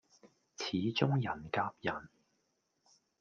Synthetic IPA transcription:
t͡sʰiː˨˧t͡sʊ˥ŋjɐ˨˩nkaː˧p̚jɐ˨˩n

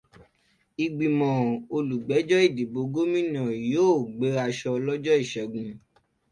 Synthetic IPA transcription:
i˨ɡ͡bĩ˨mɔ̃˨o˧lu˨ɡ͡bɛ˨˦d͡ʒɔ˦i˦˨di˨bo˧ɡo˦mĩ˦nã˨joː˦˨ɡ͡be˨˦a˧ʃɔ˧lɔ˦d͡ʒɔ˦i˦˨ʃɛ˨ɡũ˨˧

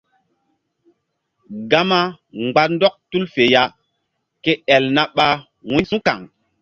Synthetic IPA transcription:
ɡa˦ma˦ | ŋ͡mɡ͡ba˦ndɔ˦k̚tu˦lfe˨ja˦ | ke˦ɛ˨lna˦ɓa˦ | wũ˦sũ˦ka̰˨ŋ

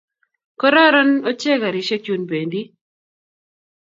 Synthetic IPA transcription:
kɔ˦ɾa˦ɾɔ˦no˦t͡ʃe˦ɡa˨ɾi˨ʃe˦ku˦nbe˨ndi˦

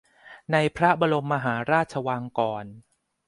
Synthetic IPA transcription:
na˧jpʰɾa˦˥ba˧lo˧mːa˧ɦaː˩˦ɾaː˥˩t̪̚t͡ɕʰa˧waː˧ŋkɔː˧n

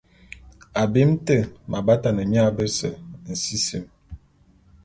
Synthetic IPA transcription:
a˨be˦m˦tə˦˨mʔa˨ba˦ta˨nə˨mi˦a˦bə˦sə˨n̩˨si˦sḭ˨m

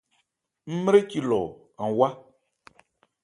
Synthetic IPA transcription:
m̩˦m˦ɾe˦ci˨lɔ˨ | ã˨wa˦

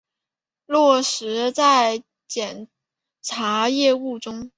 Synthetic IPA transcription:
lwɔ˥˩ʂɻ̩˧˥t͡sa˥˧ɪ | t͡ɕjɛ˨˩n | ʈ͡ʂʰa˧˥jɛ˥˧u˥˩ʈ͡ʂʊ˥ŋ

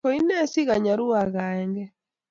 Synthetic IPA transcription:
kɔ˨i˦nɛ˦si˦ɣa˨ɲa˨ɾu˦a˨ɣa˨ɛ˦ŋɡɛ˦

